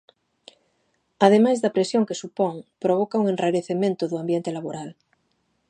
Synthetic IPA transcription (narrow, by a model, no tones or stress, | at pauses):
að̞emajzðɐpɾesjoŋkesupoŋpɾoβ̞okauŋenraɾeθemẽnt̪oðoambjent̪elaβoɾal